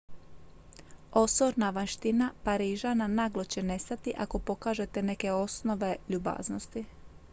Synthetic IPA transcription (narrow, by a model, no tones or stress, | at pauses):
o̞soɾnaʋanʃt̪inapaɾiːʒananaːɡlo̞t͡ɕe̞ne̞st̪at̪iʔako̞po̞kaːʒe̞t̪ene̞ke̞o̞sno̞ʋe̞ʎuba̰ːznost̪i